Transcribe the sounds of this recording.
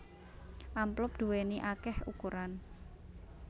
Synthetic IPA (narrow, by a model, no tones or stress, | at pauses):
ʔamplʊp̚d̪̥ṳweniʔakɛhukuɾan